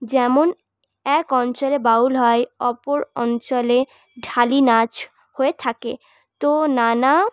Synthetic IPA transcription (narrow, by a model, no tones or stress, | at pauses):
d͡ʑɛmon | ɛkɔnt͡ɕɔlebaulɦɔeɔpoɾɔ̰nt͡ɕole | ɖʱalinat͡ɕ | hoet̪ʰakḛ | t̪onana